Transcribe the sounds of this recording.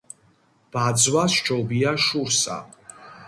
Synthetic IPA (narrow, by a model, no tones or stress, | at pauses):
b̥ad̪zwast͡ʃʰʼɔbiaʃuɾsa̰